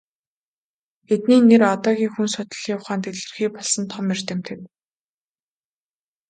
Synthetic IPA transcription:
et̪niːnːerɔt̪ɔːɣʲiːŋxunsʊt̪ɞ̆ɮiːʊχaːnt̪eɮɘ̆rxiːk̚pɔɮsɞ̆nt̪ʰɔmir̥t̪ĕmt̪ʰew̪

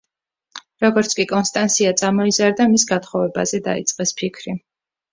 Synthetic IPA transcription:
ɾɔɡɔɾt̪sʰkʼikʼɔnst̪ʼansʰiat̪sʼamɔizaɾd̪amisɡat̪χɔvɛba̰zɛd̪a̰ḭt̪sʼqʼɛspʰikʰɾi

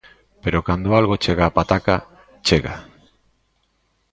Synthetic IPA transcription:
peɾokand̪oalɣot͡ʃeɣaːpat̪aka | t͡ʃeɣa̰

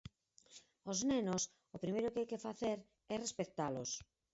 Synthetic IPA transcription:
oznenos | opɾimejɾʊkɪajkefaθeɾ | ɛrespekt̪alo̰s

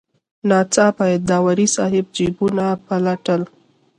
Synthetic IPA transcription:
nɑt͡sɑpajad̪ɑwaɾisɑɦɪb̚d͡ʒibunapalaʈəl

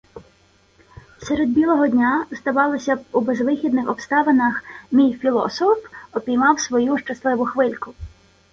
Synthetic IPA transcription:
seɾed̪̚bʲilˠɔɦɔdʲnʲazd̪ɐʋɑlˠɪsʲɐubezʋɪxʲid̪nɪxɔpst̪ɑʋɐnɐxmʲijfʲilˠɔ̰sɔfɔpʲijmɑwsʋɔjuʃt͡ʃɐslˠɪʋʊxʋɪlʲkʊ

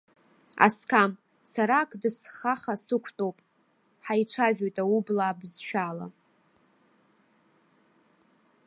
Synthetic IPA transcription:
a̰skʰam | saɾakʰʼdɨsχaχasɨkʷʰtʼowpʼ | ħajt͡ʃʷʰaʒᶣojtʼaublaːbzʃᶣala̰

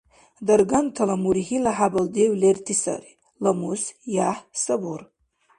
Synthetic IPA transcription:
d̪ɐɾɡantʰalamuɾihilaħabald̪ewlertʰisa̰ɾi | lamusjaħsabur

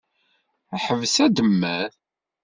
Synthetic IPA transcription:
æħəvsæd̪əmːæð

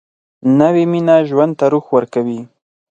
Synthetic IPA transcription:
nawiminaʒwand̪̚t̪aɾuxwəɾkawi

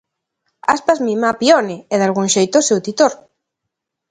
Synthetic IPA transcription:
aspazmimapiɔnɪɛðalɣuŋʃejt̪osewt̪it̪oɾ

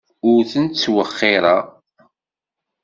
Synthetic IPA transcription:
ʊɾθənt̪t͡sːwəχːɪɾˤɑ

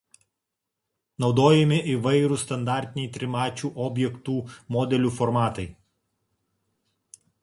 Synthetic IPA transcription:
nɒʊd̪oːjɛmʲɪʔɪʋɐɪɾuːˑst̪ɐnd̪ɑːˑɾʲt̪ʲɪnʲɛɪt̪ʲɾʲɪmɑːt͡ʃʲuːʔɔːbʲjɛkt̪uːmɔːd̪ʲɛlʲuːfɔɾmɑːt̪ɐɪ

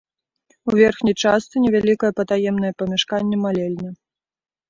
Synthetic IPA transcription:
uvʲɛrxnʲijt͡ʂast̪sɨnʲɛvʲalʲikɐjɐpɐt̪ajɛmnɐjɛpɐmʲɛʂkanʲːɛmalʲɛlʲnɐ

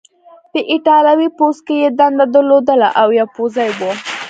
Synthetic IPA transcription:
p̪əʔɪʈɑlawiposkejed̪and̪ad̪əlod̪əla̰ʔawjɑpozajwo

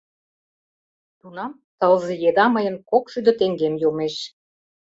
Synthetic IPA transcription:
t̪unɑm | t̪əlzejed̪ɑməjə̆nkokʃyd̪ə̆t̪eŋɡemjomeʃ

